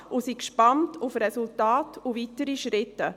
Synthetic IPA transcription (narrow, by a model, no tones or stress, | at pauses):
ʔʊsikʃpɑntʰufɾɛsultaːtʰuvitəɾiʃɾɪtːə